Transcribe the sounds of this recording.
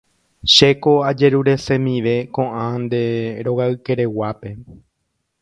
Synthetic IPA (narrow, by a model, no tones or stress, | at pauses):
ʃe̞koad͡ʒe̞ɾuɾe̞sẽ̞mĩʋe̞kõʔãnd̪e̞ɾoɣaɨke̞ɾe̞wape̞